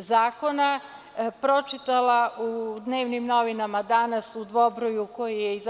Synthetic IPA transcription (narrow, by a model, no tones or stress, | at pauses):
zaːko̞na | pɾo̞t͡ʃit̪alˠaud̪ne̞ːʋnimno̞ʋinamad̪anasud̪ʋo̞bɾojuko̞jijeiz